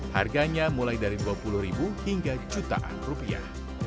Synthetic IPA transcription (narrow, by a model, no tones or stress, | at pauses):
ha̰rɡaɲamulajdaɾiduapulʊhɾibuhiŋɡat͡ʃut̪a̰ʔa̰nrupia̰h